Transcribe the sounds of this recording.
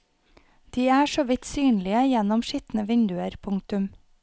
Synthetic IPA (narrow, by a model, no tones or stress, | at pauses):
d̪̥iːæːʃoːʋɪt̪syːnlɪəjɛnɔmʃit̪n̩əʋɪnd̪ʉəɾpʰʊŋk̚t̪ʉm